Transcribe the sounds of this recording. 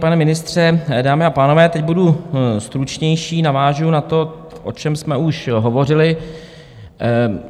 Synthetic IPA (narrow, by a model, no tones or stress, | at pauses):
panɛmɪnɪst̪r̝̥ɛdaːmɪapaːno̞vɛːt̪ɛcɟ̚budust̪ɾut͡ʃɲɛjʃiːnavaːʒʊnat̪o̞ | ʔo̞t͡ʃɛmsmɛuʃɦo̞vo̞rɪlɪ